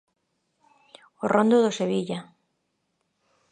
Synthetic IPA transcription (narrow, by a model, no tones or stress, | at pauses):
orʔõnd̪oðoseβiʎa